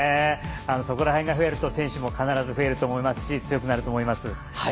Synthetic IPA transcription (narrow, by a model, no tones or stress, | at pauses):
ano̞so̞ko̞ɾaɦẽ̞ŋɡaɦɯ̟e̞ɾɯ̟t̪o̞sẽ̞ɰ̃ɕɨmo̞kanaɾazɨɸɯe̞ɾɯ̟t̪o̞ːmoimasɨ̥ɕit͡sɨjo̞k̬ɯ̟naɾɯ̟t̪o̞ːmo̞imasɨ | ha